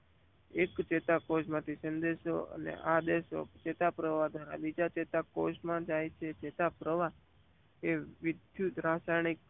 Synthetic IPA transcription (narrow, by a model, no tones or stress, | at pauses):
ekt͡ʃet̪akoʃmãt̪ʰisənd̪eʃoə̰nḛʔad̪eʃo̰t͡ʃet̪apɾəʋad̪ʱʋaɾa̰bid͡ʒat͡ʃet̪akoʃmãd͡ʒajt͡ʃʰet͡ʃet̪apɾəʋa | eʋɪd̪ʱjut̪ɾasajɳ̃ik̚